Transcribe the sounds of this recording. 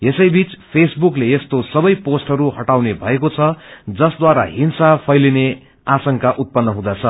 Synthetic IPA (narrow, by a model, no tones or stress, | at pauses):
esʌjbit͡spʰesbukleest̪osʌbʌjposʈɦʌɾuɦʌʈawnebʱʌekot͡sʰʌd͡zʌsd̪waɾa̰ɦinsapʰʌjline | asʌŋkaʔut̪̚pʌnːʌɦũd̪at͡sʰʌ